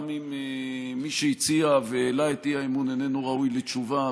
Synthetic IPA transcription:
mime | miʃeit͡siaveːlaetiaimunene̞nuʁaujlet͡ʃuva

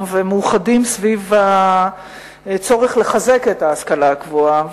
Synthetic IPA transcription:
vemuuχadimsviva | t͡so̞ʁeχle̞χaze̞ke̞taːskalaakvua

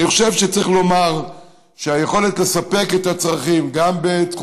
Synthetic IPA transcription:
niχoʃe̞vʃet͡saʁiχlo̞maʁ | ʃeaje̞χo̞let̪le̞sape̞ket̪at͡sʁaχimɡambet̪χ

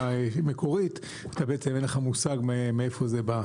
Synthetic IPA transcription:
emekʰo̞ʁit | at̪abeʔet͡semenleχamusaɡmemeefo̞zeba

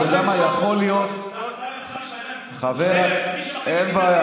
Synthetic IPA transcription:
eɡamajaχo̞lijo̞t̪̚ | χaveʁ | enbaa

